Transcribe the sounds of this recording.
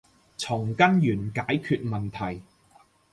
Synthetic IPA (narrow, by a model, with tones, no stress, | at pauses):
t͡sʰʊ˨˩ŋkɐ˥njyː˨˩nkaː˨˥jkʰyː˧t̚mɐ˨nt̪ʰɐ˨˩j